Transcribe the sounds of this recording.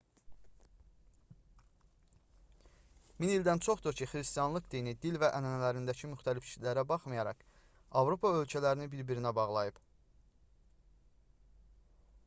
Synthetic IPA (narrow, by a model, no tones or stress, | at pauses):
minild̪ænt͡ʃʰo̞χd̪oɾcʰiχɾist̪ijɑnlˠɯkd̪inid̪ilvæʔænænælæɾind̪æcʰimyχt̪ʰælifʃi̥læɾæbɑχmɯjɑɾɑ̰k | ɑvɾo̞pʰɑø̞lcʰælæɾinibiɾbiɾinæbɑʁlˠɑjɯb̥